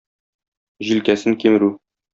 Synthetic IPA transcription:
ʑilkæsɘŋkimɘ̆ɾʉ

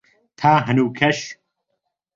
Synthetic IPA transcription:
t̪ʰaːɦɐnuːkʰɐʃ

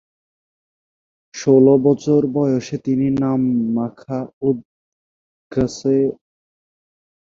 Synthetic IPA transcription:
ʃolobɔt͡ɕoɾbɔjoʃet̪ininamːakʰaud̪̚ | ɡʱəse

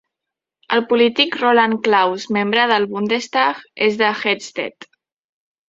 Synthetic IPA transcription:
əlˠpulit̪ikrolaŋklawzmembɾəðəlˠβund̪est̪aɣezðəxɛst̪ɛ̰t̪

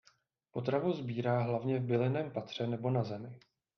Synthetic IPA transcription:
po̞t̪ɾavuzbiːɾaːɦlavɲɛvbɪlɪnɛːmpat̪r̝̥ɛnɛbo̞nazɛmɪ

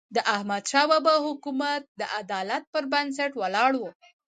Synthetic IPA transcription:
d̪əʔahmad̪ʃɑwabahʊkumat̪̚d̪əʔad̪ɑlat̪̚pəɾbans̬aʈwalɑɽwu

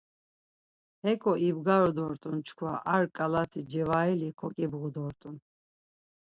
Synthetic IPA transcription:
ɛkʰʼɔʔibɡaɾɔd̪ɔɾt̪ʼunt͡ʃʰkʰwaʔaɾkʼalat̪ʰid͡ʒɛvailikʰɔkʼibɣud̪ɔɾt̪ʼun

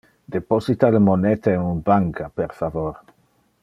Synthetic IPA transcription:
d̪eposit̪aləmonɛt̪aenunbaŋkapeɾfavoɾ

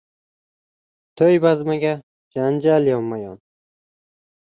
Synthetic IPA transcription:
t̪ʰɵjbazmaɡʲa | d͡ʒand͡ʒaljɒmːajɒn

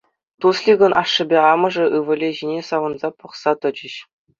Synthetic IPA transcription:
t̪uslʲiɡɤ̆nʔɑʂːɤ̆bʲeɑmɤ̆ʐɤ̆ʔɯʋɤ̆lʲeʑinʲesɑʋɤ̆nzɑpuχsɑt̪ɤ̆d͡ʑɘ̆ɕ

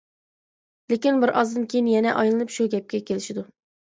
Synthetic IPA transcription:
lekʲinbɪɾʔɑzd̪ɨnkʲejinjɛnɛʔɑjlˠɨnɨpʃuɡʲɛp̚kʲɛkʲʰelɪʃɪd̪u

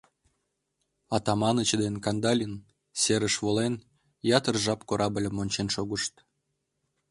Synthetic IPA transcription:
ɑt̪ɑmɑnət͡ɕd̪enkɑnd̪ɑlʲin | seɾəʃβolen | jɑt̪ərʒɑpkoɾɑbəlʲəmːonʲt͡ɕenʃoɣəʃt̪

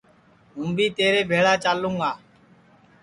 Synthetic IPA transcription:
ɦũːbʱiːt̪eːɾeːbʱeːɽaːt͡ʃaːlːũːɡaː

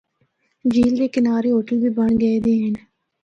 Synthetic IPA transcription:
d͡ʒiːld̪eːkɪnaːɾeːɦoːʈəlbiːbəɳɡəeːd̪eːɦən

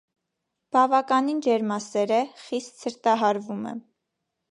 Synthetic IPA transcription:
b̥ɑvɑkɑnind͡ʒɛɾmɑsɛɾəχist̪səɾt̪ɑɦɑɾvumɛ̰

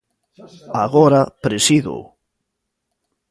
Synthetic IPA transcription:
aɣɔɾapɾesiðo̰

